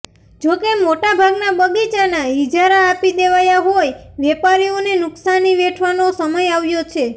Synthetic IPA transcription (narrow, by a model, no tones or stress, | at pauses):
d͡ʒokemoʈabʱaɡnabəɡit͡ʃanaid͡ʒaɾaːpid̪eʋajaɦojʋɛpaɾionenʊksaniʋeʈʰʋanosəməjaʋjot͡ʃʰe